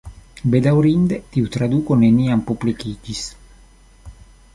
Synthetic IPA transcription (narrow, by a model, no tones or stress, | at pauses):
bed̪awɾind̪et̪iut̪ɾad̪uːkoneniːampuplikiːd͡ʒis